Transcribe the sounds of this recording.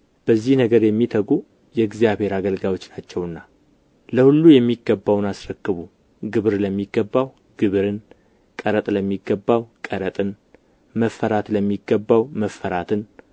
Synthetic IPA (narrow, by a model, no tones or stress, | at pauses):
b̥əzːihnəɡəɾjɛmːit̪ʰəɡu | jɛɨɡzijaβhe̞ɾaɡəlɡawo̞t͡ʃːnat͡ʃːɛwɨnːa | ləhulːujɛmːiɡːəbːawnasɾəkːɨβu | ɡɨβɨɾləmːiɡːəbːaw | ɡ̥ɨβɨɾɨn | kʼəɾət̪ʼləmːiɡːəbːawkʼəɾət̪ʼɨn | məfːəɾat̪ləmːiɡːəbːawməfːəɾat̪ʰɨn